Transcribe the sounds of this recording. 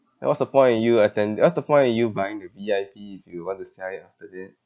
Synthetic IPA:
dɛ̰ʔwɔsdəpɔ̃ɪ̃nĩnjuətɛ̃ndɛʔwɔsdəpɔ̃ɪ̃ntĩnjubãɪɪ̃ŋdəviaɪpiifjuwwɔ̃ntusaiaftədɛt̚

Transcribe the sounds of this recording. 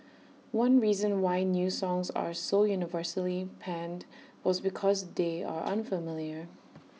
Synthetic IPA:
wʌ̃nɹizə̃nwaɪnjusɔ̃ŋza̰ɹsojunɪvɜɹsəlipʰæ̃nd | wɔzbɪkʰɔzdeɪa̰ɹʔə̰̃nfəmɪljə˞

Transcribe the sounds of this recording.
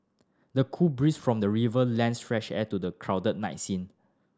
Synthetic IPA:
dəkʰubɹisfɹɔ̃mdəɹivəlɛ̃nsfɹɛʃɛtudəkʰɹawdət̚naɪtsĩn

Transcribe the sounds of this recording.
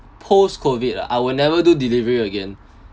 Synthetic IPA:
pʰoskʰovitʔaɪwilnɛvədudilivəɹiəɡẽn

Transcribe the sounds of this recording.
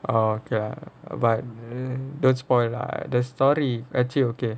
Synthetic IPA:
ʔookela̰bat̚dõnspɔjla̰dəstɔɾiɛt͡ʃioke

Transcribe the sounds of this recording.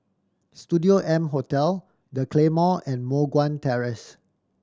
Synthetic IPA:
studioʔɛ̃mɦotɛl | dəkʰlemɔɛ̃nmoɡwãntɛɹəs

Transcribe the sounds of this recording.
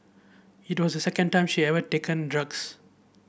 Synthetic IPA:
itwɔsdəsɛkə̃nʈãɪ̃mʃiɛvəʈekə̃ndɹʌɡs

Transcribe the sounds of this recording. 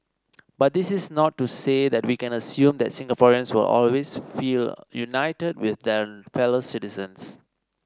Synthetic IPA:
bat̚d̪isɪsnɔtːusedɛt̚wikɛ̃nəsjũmd̪ɛtsɪ̃ŋɡəpɔɹiə̃nswɪ̰lɔ̰lwesfiljunaɪtəd̚wɪθdɛfɛlositizə̃ns

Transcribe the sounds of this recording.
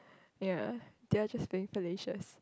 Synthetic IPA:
jad̥ead͡ʒasfiɪ̃ŋfəleʃə̰s

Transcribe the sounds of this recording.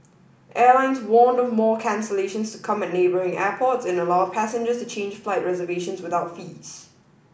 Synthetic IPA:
ʔɛːlãɪ̃nzwɔ̃ːndɔvmɔːkʰæ̃nsəleʃə̃nstʰukʰʌ̃mæt̚ⁿneːbəɹɪ̃ŋɛːpʰɔtsɪ̃nəlɔəv̥pʰæsɪ̃nd͡ʒəstʰut͡ʃʰẽːnd͡ʒflaɪʔ̚ɹɛzəveʃə̃nswɪθaʊtfiːz̥

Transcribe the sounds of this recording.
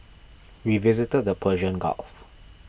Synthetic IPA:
wivizɪtəd̚dəpʰəʒə̃nɡa̰lf

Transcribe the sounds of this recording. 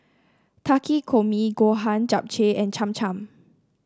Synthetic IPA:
tʰakikʰomiɡoɦãnd͡ʒap̚t͡ʃeɛ̃nt͡ʃʰãmt͡ʃãm

